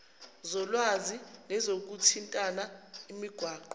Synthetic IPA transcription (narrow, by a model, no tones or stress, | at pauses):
zɔlwazinɛzok̬utʰintʼanaimiɡ̥ʱwaːǃɔ